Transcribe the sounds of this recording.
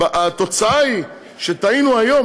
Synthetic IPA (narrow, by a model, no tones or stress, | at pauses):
ʔat̪o̞t͡saai | ʃet̪ainuajo̞